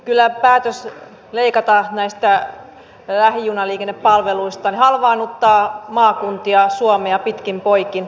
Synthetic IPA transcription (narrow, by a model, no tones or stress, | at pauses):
kylːæpæːt̪øs | leikɑt̪ɑnæist̪æ | læhijunɑliːkenːeppɑlʋeluist̪ɑnihɑlʋɑːnut̪ːɑːmɑːkunt̪iɑsuomeɑpit̪kimpoikin